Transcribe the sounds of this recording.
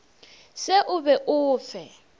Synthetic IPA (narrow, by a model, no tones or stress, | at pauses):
seʔʊβɛʔʊːfɛ